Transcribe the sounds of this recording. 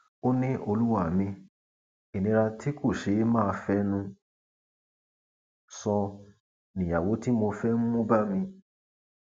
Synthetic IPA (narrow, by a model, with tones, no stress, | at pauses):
o˦nĩ˦ʔo˧lu˦wa˦˨mĩ˧ | i˨nĩ˨˧ɾa˧ti˦ko˦˨ʃe˨˦mãː˦˧fɛ˦nũ˦ | sɔ̃˧ | nĩ˨ja˨wo˨˦ti˦mo˧fɛ˦nũ˦mũ˦ba˦mĩ˧